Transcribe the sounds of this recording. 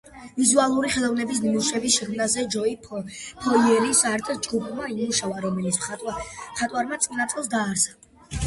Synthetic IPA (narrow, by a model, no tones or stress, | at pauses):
vizualˠuɾiχɛlˠɔvnɛbis̬niuʃɛbisʃɛkʰmnazɛd͡ʒɔipʰɔiɛɾisaɾt̪ʼd͡ʒɡupʰmaimuʃavaɾɔmɛlit̪s | χat̪ʼwaɾmat̪sʼinat̪sʼɛlˠs̬d̪aːɾsḁ